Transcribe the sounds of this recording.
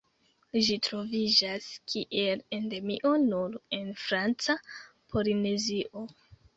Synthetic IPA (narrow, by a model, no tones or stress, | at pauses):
ʒitɾo̞vid͡ʒaskʰiʔe̞le̞nde̞mḭʔo̞nuɾe̞nfɾant͡sa | pʰo̞line̞ziʔo̞